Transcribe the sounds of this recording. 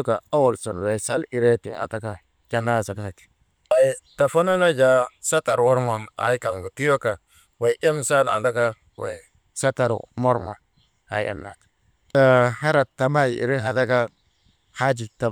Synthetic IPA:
ka˨a˦wo˨lso˨nwe˨sa˦li˨ɾe˦tḭ˨a̰˨ta˦ka˦ | d͡ʒa˨˦na˦˨sa˨ka˦a˨ti̥˨ | a˨ta˨fa˦na˦na˦d͡ʒa˦sa˦ta˨ɾwo˦ɾma˨na̰˨jka˨ɡa˨ti˦jo˦ka˨ | wa˨˦ʔe˦msa˦da̰˨nda˦ka˦ | wḛ˨ | sa˦ta˨ɾmo˦ɾma̰˨n | ha̰˨ja̰˨nːa̰˨t | ta˨ha˦ɾa˨tːa˨ma˦jḭ˨ɾe˦ɦa˨ta˦ka˦ | ha˦d͡ʒi˨ta˨

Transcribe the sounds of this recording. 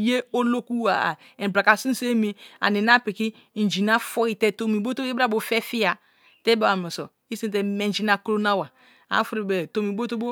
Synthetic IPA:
je˦o˦lo˦ku˦a̰˨ | e˨bɾa˨ka˨si˦n˦se˦mi˦a̰˨ni˨na˦pi˨ki˦˨ | n˨d͡ʒi˨na˦fɔ˦i˦tɛ˦to˦mi˨bo˦to˦ba˦˨bo˨fɛ˦fi˦a˨ | tɛ˦ba˦a˨mɛ˨so˨ | i˦si˦˨t̬ɛ˦me˨n˨d͡ʒi˦na˨kɾo˦na˦wa˨ | a̰˨˦fɾi˨bɛ˨to˨mi˨bo˦to˦bo˦

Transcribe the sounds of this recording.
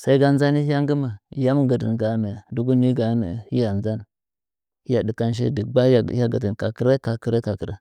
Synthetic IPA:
sa˦i˦ɡa˦nza˦ni˦ha˦ŋɡə˦ma˨ja˦m˦ɡə˨dḭ˨nɡa˨me˨du˦ɡu˦ni˦ɡa˨˦mḛ˨hi˦ja˨nza˦n | i˦ja˨di˨ka˦n˦ʃ̬ḛ˦di˨ɡ͡ba˦˨˦ja˦ɡa̰˨di˨nka˨ki˦ɾe˦ka˨ki˦ɾe˦ka˨kə˨ɾe˦

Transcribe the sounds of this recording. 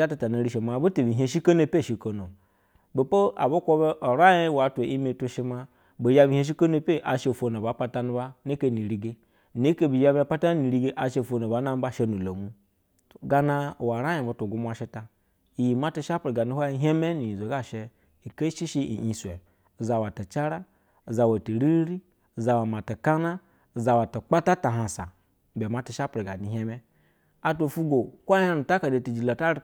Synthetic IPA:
a˦ta˨ta˨na˨ɾi˦˨ʃe˨ma˨bu˦ti˨bi˨ɦe˦ʃi˦ko˦no˦˨pe˦˨ʃi˨ko˨no˨ | bo˨po˦a̰˨bo˦kʷo˦be˦ʔo˨ɾa˦ji˦˨wa˨˦te˨i˦me˨tu˦ʃi˦ma˦ | bo˨ja˦bi˨ɦe˦ʃ̬i˦ko˦no˦pe˦ʔa˨ʃe˦˨fo˨na˨ba˨˦pa˦ta˦nu˦ba˦ne˦e˦˨ni˨ɾi˨ɡe˦˨ | ne˦ke˦bi˨ja˦ba˨pa˦ta˦ni˨ɾi˦ɡe˦ʔa˨ʃe˦˨fo˨no˨ba˨˦na˦m˦ba˦˨ʃe˦nu˨lo˨mu˦˨ | ɡa˨na˦˨wa˨ɾa˦ji˨ba˨tu˨ɡu˦m˦a˨ʃi˦ta˨ | i˨ji˨ma˦ti˦˧ʃa˦pɾi˨ɡa˨ni˨˦hʷa˦i˧ɦe˦me˦ni˨ji˨zo˨ɡa˦˨ʃe˧ | i˨ke˦ʃi˦ʃi˦ḭ˨i˨sʷe˨ | za˨wa˨ta˨t͡ʃa˦ɾa˦˨ | za˨wa˨ti˨ɾi˦ɾi˦˨ | za˨wa˨ma˨ta˨ka˦na˦˨ | za˨wa˨ta˨k͡pa˦ta˦ta˨ɦa˨sa̰˨ | be˨ma˦ti˨ʃa˦pɾi˨ɡa˨ni˨ɦʲe˦me˦ | a˨to˨fu˦ɡo˨kʷa˦ha˦nu˨ta˦ka˨de˨ti˨d͡ʒi˨la˨ta˦ɾ

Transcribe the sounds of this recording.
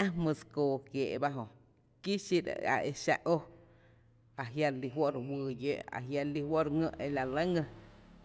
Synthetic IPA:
ã˦mɨ̃˧skoː˨kjeː˨ʔba˦ɦõ˧ | ki˦ʃi˦ɾ̰a̰˨e˧ʃa̰˧ʔʔo˦ | a˨ɦja˧li˧ɦwo˦ʔɾwɨː˧je˦ʔa̰˨ɦja˧li˧wo˦ʔɾŋə̰̃˧ʔe˧la˧lə˦ŋə̃˧

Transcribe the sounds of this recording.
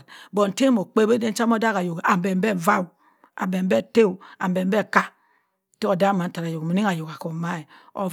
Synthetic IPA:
bo˨n̩˨te˦mo˨k͡pe˦be˦de˦n̩˦t͡ʃa˦m˦o˦da˦ka˨jo˨ka˨be˨m˦be˦˨va˦w | a̰˨be˨m˦be˦˨te˦u˨a˨mbe˨m˦be˦˨ka˦ | te˦o˨da˦˨ma˨n̩˦ta˨ɾa˨jo˨kmo˨ni˦a˨jo˨ka˨ko˨ma˦e˨ | o̰˨

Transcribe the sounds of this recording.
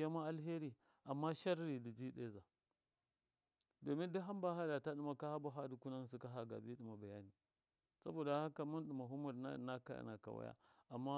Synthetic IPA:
a˦ma˦a˦lɦe˦ɾi˨ | a˨mːa˦ʃa˦ɾi˨di˨d͡ʒi˦ɗḛ˦za˨ | do˨mi˦ndi˦ɦa˦mba˦ɦa˦da˨ta˦ɗi˦ma˨ka˦ha˦ba˦ɦa˦di˨ku˦na˦ŋ˨s̬i˦ka˦ɦa˨ɡa̰˨bi˦ɗi˨ma˨ba˨ja˦ni˨ | sa̰˦bo˨da˨ha˦ka˨mu˦n˦ɗi˨ma˨ɦu˦mu˨ɾa˦˨na˦ka̰˦˨na˨ka̰˨wa̰˦ja̰˦a˨mːa˦

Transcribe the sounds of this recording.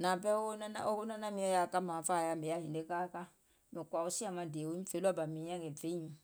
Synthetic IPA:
na˨pɛ˦o˦na˦na̰˦o˦ko˦nã˦na˦mĩ˦ɔ˦ja˨ka˦mã˨fa˦˨ja˨me˨ja˦ĩ˨nde˦ka˦ka˦ | mĩ˨kwa˨o˦si˦a˦˨mã˨de˨o˦i˦fe˦lu˦a˦ba˨mĩ˨˦ã˦ɡɛ˨fe˦ũ˨

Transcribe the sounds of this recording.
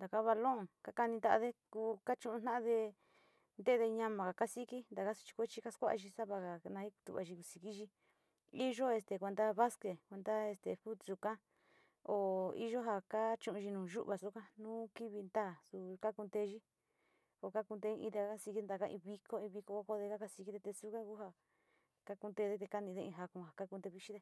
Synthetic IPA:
nd̪a˨ka˦βa˧lõ˦˨ŋka˦ka˧nĩ˧nd̪a˧ʔa̰˧ðe˦kuː˧ka˦t͡ʃũ˧ʔũ˧nã˦ʔðe˧ | nd̪e˦˧ðe˧ɲã˧mã˨ka˨ka˦si˦ki˦nd̪a˨ka˦su̥˧t͡ʃi̥˧kʷe˦t͡ʃi˦ka˦skʷa˦ʔa˧ʒi˧sa˦βa˧ka˨nã˧hi˦ku̥˧t̪ṵ˧˨βa̰˧ʒi˧ku˧si˨ki˦ʒi˧ | i˦ʒo˦e˧st̪e˨kʷe˧nd̪a˦βa˦ske˨kʷe˧nd̪a˦e˧st̪ḛ˨ɸu˦t̪su˨ka˦ | o˨ḭ˦ʒo˦ɦa˧ka˦t͡ʃũ˧ʔũ˧ʒi˧nũː˨ʒṵ˦ʔβa˧su˦kã˦nũː˦ki˦βi˧nd̪a˦˨su˧ka˦ku˧d̪e˧˦ʒi˦ | o˨ka˦ku˧nd̪e˧i˧ĩ˧t̪e˧a˧ka˦si˧ki˦nd̪a˧ka˦˧ʔḭ̃˧βi˧kʰo˦ĩ˧βi˧ko˧ka˦ko˧ðe˧ka˦ka˧˦si˧ki˦t̪e˧t̪e˧su˦kã˦ku˦ɦa˧ | ka˦ku˧nd̪e˧ðe˦t̪e˧ka˦nĩ˧ðe˦˧ĩ˧ɦa˧kũ˧ha˨ka˦ku˧d̪e˧βi˧ʃi˦ðe˧

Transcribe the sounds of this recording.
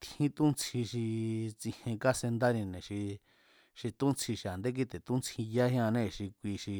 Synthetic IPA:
t̪ʰĩ˦t̪ũ˦nt͡sʰĩ˧ʃi˧t͡sĩ˧hẽ˧ka˦se˧nd̪a˦nĩ˧nẽ˨ʃi˧ | ʃi˧t̪ũ˦nt͡sʰi˧ʃi˧a˨nd̪e˦k̬i˦˧t̪e˨t̪ũ˦nt͡sʰĩ˧ja˦hĩ˦ã˧nẽ˦˨ʃi˧kʷi˧ʃi˧

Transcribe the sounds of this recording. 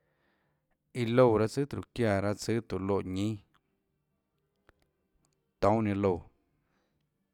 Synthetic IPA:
i˧lo˧˨ɾa˦t͡sɨ˦t̪ɾu˨kja˧˨ɾa˦t͡sɨ˦t̪u˨lo˧˨ʔɲĩ˦ | t̪õ˨˦ɲẽ˧lo˧˨

